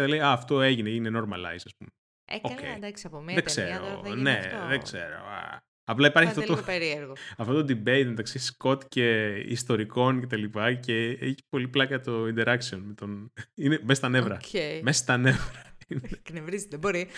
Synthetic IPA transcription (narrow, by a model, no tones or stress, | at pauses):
ðɐlejɐːft̪o̞e̞ʝineeʝineno̞ɾmɐlɐ̰isɐspṵme | ocḛj̪aspomðekseɾo̰neðeɡseɾo̰ɐ̰ | ɐplɐipɐɾçiɐft̪ot̪ooeɾieɾɣoɐft̪ot̪od̪ibeit̪me̞t̪ɐksisko̞t̪ce̞ḭst̪o̞ɾiko̞nce̞t̪ɐlipɐce̞eçi̥po̞liplɐkɐt̪o̞ind̪e̞ɾɐksionmet̪o̞ninemesɐst̪ɐnevɾɐmesɐ̥st̪ɐnevɾɐineknevɾizt̪eboɾi